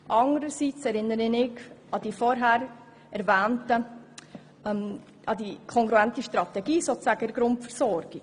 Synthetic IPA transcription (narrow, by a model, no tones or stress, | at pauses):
ʔɑŋəɾəsit͡sɛɾɪnəɾɪnɪɡɑd̥ifɔɾɦæːɾ | ɛɾvæːntə | m | ɑdikʰɔŋɡɾuæntəʃtɾɑt̪ɛɡiːsoːt͡ssæɡəɪɾɡɾʊntfəɾsɔɾɡ̥i̥